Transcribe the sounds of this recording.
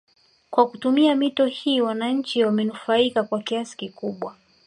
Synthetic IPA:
kwakutumiamitɔhiːwanaɲ̩t͡ʃiwamɛnufaikakwakiasi̥kikuɓwa

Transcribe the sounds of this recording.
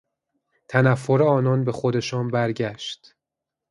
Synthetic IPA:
t̪ʰænæfːoɾeɒːnɒːnbe̞xo̞d̪e̞ʃɒːnbæɾɟæʃd̪̥

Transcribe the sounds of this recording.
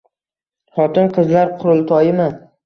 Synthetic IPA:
χɒt̪ɪnqʰɨzlaɾqʰʊɾʊlˠt̪ʰɒjɪman

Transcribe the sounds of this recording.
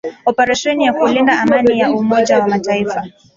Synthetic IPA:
ɔpɛɾɛʃɛnijakulindaamanijaʔumɔd͡ʒawamataifa

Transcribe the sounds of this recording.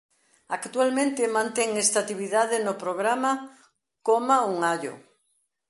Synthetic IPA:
akt̪ualmẽnt̪emãnt̪eŋest̪at̪iβiðaðenopɾoɣ̞ɾama | komauŋaʎo̰

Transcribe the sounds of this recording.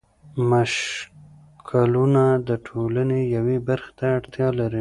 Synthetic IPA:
maʃ | kʰalunad̪əʈʰolanejawebaɾxet̪aːɽt̪jɑlaɾi

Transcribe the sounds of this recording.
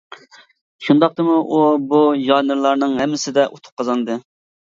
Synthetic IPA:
ʃund̪ɑq̚t̪ɨmuʔubujɑnɨɾlˠɑɾnɨŋhɛmːɪsɪd̪ɛʔot̪ʰu̥p̚qʰɑzɑnɨd̪ɨ

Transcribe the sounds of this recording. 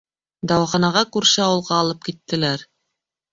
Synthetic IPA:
d̪ɑwɑχɑnɑʁɑkʉɾʃɘɑwɤ̆lˠʁɑːlˠɤp̚kit̪ːɘ̆læɾ

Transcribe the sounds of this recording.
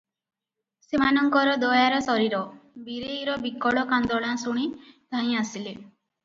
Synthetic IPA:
semanɔŋkɔɾɔd̪ɔjaɾɔsɔɾiɾɔbiɾejɾɔbikɔɭɔkand̪ɔɭãsuɽ̃id̪̥ʱaj̃asile

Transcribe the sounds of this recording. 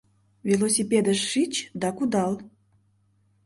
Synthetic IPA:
vilˠosʲipʲed̪əʃːit͡ɕd̪ɑkud̪ɑl

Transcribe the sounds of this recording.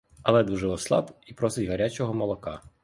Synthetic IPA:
ɐlˠɛd̪uʒɛɔslˠɑ̰bipɾɔsɪtʲɦɐɾʲat͡ʃɔɦɔmɔlˠɔkɑ

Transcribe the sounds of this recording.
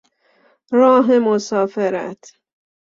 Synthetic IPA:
ɾɒːɦemosɒːfeɾæ̰t̪ʰ

